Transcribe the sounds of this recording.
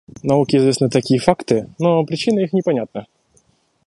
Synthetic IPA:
nɐukʲɪɪzvʲesnɨt̪ɐkʲijəfakt̪ɨnopɾʲɪt͡ɕinəixnʲɪpɐnʲat̪̚nə

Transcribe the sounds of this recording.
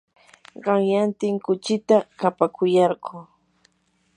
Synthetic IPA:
ɢɑŋjant̪ɪŋkʊt͡ʃɪt̪akapakʰʊjɑɾɢʊː

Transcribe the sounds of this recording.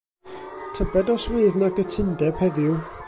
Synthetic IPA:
tʰəbɛdɔswiːðnaɡətʰɪndɛb̥hɛðɪw

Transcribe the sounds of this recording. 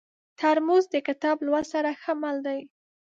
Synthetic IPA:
t̪ʰaɾmuzd̪əkɪt̪ɑblwasaɾaxəmald̪aj

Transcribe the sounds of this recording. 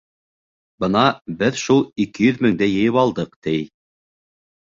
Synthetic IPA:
bɤnɑbɘðʃulˠikɘjɵðmɘ̆ŋd̪æjɘ̆jɤpɑlˠd̪ɤqt̪ɘj

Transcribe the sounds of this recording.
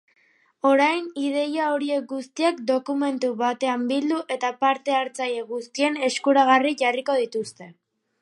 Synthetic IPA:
o̞ɾajnið̞e̞jao̞ɾie̞k̚ɡust̪iakd̪o̞kume̞nt̪uβat̪e̞ambild̪uʔe̞t̪apaɾt̪e̞aɾt͡saje̞ɣust̪ie̞ne̞skuɾaɣ̞ariʝariko̞ð̞it̪ust̪e̞

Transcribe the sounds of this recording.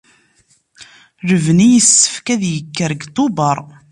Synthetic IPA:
ɾəvnijəsːə̥fkæðjəkːəɾɡt̪ˤːubəɾˤ

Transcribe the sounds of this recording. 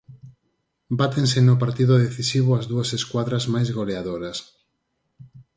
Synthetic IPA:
bat̪ensɪnʊpaɾt̪iðʊðeθisiβoazðuɐseskwaðɾazmajzɣoleaðoɾɐs

